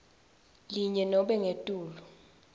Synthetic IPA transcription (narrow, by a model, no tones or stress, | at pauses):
liɲɛnɔɓɛŋetʼuːlu